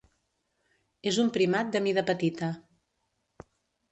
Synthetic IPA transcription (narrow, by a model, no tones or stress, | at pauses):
ezumpɾimat̪̚d̪əmiðəpət̪it̪ə